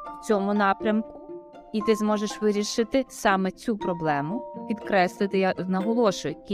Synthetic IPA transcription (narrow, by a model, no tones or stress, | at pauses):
wt͡sʲɔmʊnɑpɾʲɐmkʊ̥ | it̪ɪzmɔʒeʃʋɪɾʲiʃɪt̪ɪsɑmɛt͡sʲupɾɔblˠɛmʊpʲid̪kɾɛslˠɪt̪ɪjɐnɐɦɔlˠɔʃʊjkʲ